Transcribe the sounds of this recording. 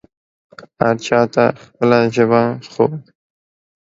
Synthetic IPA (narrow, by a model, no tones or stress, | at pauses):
aɾt͡ʃɑt̪axpəlaʒəbaxoː